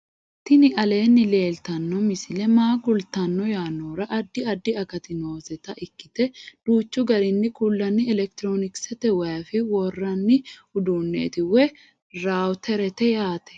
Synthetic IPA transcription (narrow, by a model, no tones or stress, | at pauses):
t̪ːɪnɪʔɐle̞ːnːɪle̞ːlt̪ɐnːɔmɪsɪlɛmaːɡʊlt̪ɐnːɔjaːnːoːɾɐʔɐd̪ːɪɐd̪ːɪɐkɐt̪ɪno̞ːzɛt̪ɐʔɪkːɪt̪ɛd̪̥uːt͡ʃːʊɡɐɾɪnːɪkʊlːɐnːɪɛlɛk̚t̪ɪɾoːnɪksɛt̪ɛwɐjɐfɪwɔrːɐnːɪʊd̪uːnːḛːt̪ɪwɛ | ɾaːwt̪ʰɛɾɛt̪ɛjaːt̪ɛ̥